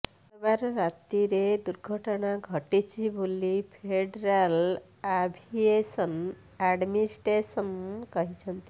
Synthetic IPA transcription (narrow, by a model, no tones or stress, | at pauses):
baɾɾat̪iɾed̪uɾɡʱəʈɳaɡʱəʈit͡ʃʰibʱolipʰeɖɾal | abʱiesən | ɛɖminisʈɾesənkɔɦit͡ʃʰənt̪i